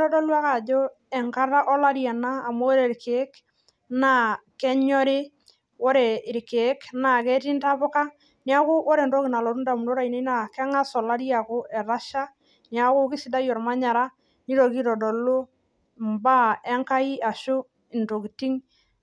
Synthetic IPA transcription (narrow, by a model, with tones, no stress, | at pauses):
ɾɔ˦dɔ˦lwa˦ka˨d͡ʒo˦ | ɛ˨ŋka˦ɾa˦ʔɔ˦la˦ɾja˨naː˦˨ma˦o˦ɾe˨ɾkeː˨˦k | na˦kɛ˦ɲɔ˦ɾɪ˦ | wo˦ɾe˨ɪ˨ɾke˨˦kna˨kɛ˦ti˦nta˦pʊ˦ka˦ | ni˦a˦kʊ˦ʔo˦ɾe˨nto˦ki˨na˨lɔ˨ɾu˦nda˨mu˨no˦ɾa˦˨i˨ne˦na˨kɛ˦ŋa˦sɔ˨la˦ɾi˦a˨ko˦ʔɛ˨ɾa˦ʃa˦ | ni˨a˦kʊ˦kɪ˦sɪ˨da˦jɔ˨ɾma˦ɲa˨ɾa˦ | ni˦ɾo˨ki˦ɾɔ˨dɔ˨lo˦ | mba˦ɛ˦ŋka˦i˦a˨ʃʊ˦ | ɪ˨nto˨ki˨ti˦ŋ